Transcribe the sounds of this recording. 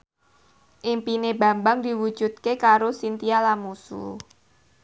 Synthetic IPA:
ʔimpineba̤mbaŋd̪i̤wu̥d͡ʒ̥ṳd̪̚kekaɾosint̪ialamusṵ

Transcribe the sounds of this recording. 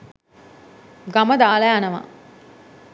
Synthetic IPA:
ɡaməd̪aːlɐjanəʋa̰

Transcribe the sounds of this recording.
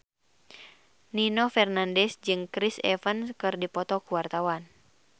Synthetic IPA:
ninɔfɛrnandɛsd͡ʒɨŋkɾisɛ̰fənskɨrdipɔt̪ɔkuwart̪awan

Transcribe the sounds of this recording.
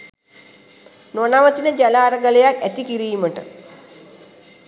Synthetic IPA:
nonaʋət̪inəd͡ʒælaːɾəɡalejakæt̪ikiɾiːməʈə

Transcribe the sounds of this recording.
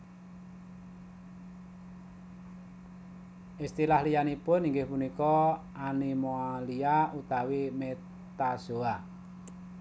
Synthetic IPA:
ʔist̪ilahlijanipʊniŋɡɪhpunikɔ | animoaliaut̪awime | t̪asoa

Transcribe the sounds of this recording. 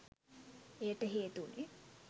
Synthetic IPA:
ejəʈəɦeːt̪une

